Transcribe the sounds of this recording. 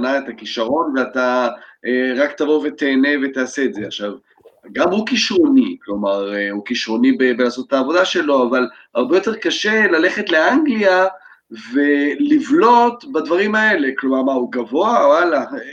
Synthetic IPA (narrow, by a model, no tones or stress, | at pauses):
naet̪akiʃaʁo̞nveat̪aeʁakt̪avove̞t̪eːne̞ve̞t̪aːseːdzeaχʃav | ɡamhukiʃʁo̞niklo̞maʁehukiʃʁo̞nibebelaːso̞t̪etaːvo̞d̪aʃe̞lo̞aval | aʁbejo̞t̪e̞ʁkaʃe̞lale̞χe̞tle̞aŋɡlia | velivlo̞t̪bad̪vaʁimae̞le̞klo̞maʁmauɡavo̞aala